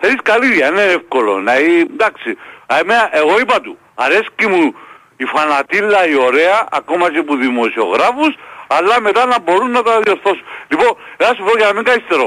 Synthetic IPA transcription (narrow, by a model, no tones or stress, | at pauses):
θeniskɐliðjɐineefko̞lo̞̰nɐind̪ɐksimeɐʔeɣo̞ipɐt̪u | ɐɾe̞scimu | ifɐnɐt̪ilːɐio̞ɾe̞ɐ̰ːko̞mɐt͡ʃ̬epuðimo̞sio̞̰ɣɾafusɐlːɐme̞t̪ɐnɐbo̞ɾunːɐt̪ɐðio̞ɾθo̞sunliponenɐsufoɾojɐnɐmiŋɡɐist̪eɾo